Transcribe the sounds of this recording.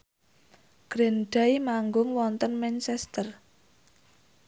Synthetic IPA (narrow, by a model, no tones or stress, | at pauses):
ɡ̥ɾenɖ̥ajmaŋɡʊŋwɔnt̪ənmɛnt͡ʃɛst̪ər